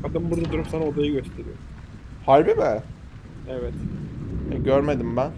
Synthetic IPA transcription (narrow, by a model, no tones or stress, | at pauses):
ad̪ɯmbuɾd̪ad̪uɾupsanaod̪ajɯɟø̞st̪ʰe̞ɾijo̰ɾm | haɾbibɛ | ɛvɛt̪ | ɛɟøɾme̞d̪imbæn